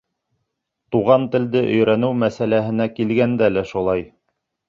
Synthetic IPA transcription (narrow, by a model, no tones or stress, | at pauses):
t̪uʁɑnt̪ɘ̆ld̪ɘʔɵ̆jɾænɘwmæsælæɦɘ̆nækilɡænd̪ælæʃulˠɑj